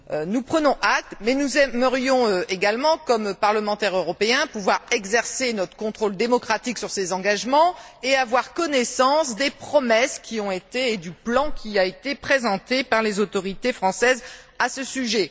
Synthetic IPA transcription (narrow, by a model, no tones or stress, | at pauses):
ønupχənɔ̃ʔak̚t̪mɛnuzɛməʁjɔ̃øeɡalmɑ̃kɔmpaʁləmɑ̃t̪ɛʁøʁɔpeɛ̃puvwaʁɛɡzɛʁsenɔt̪χə̥kɔ̃t̪χold̪emɔkχat̪iksyʁsezɑ̃ɡaʒmɑ̃eavwaʁkɔnɛsɑ̃sd̪epχɔmɛskʲiɔ̃et̪eːd̪yplɑ̃kʲiaet̪epχezɑ̃t̪epaʁlezot̪ɔʁit̪efχɑ̃sɛz | asəsyʒɛ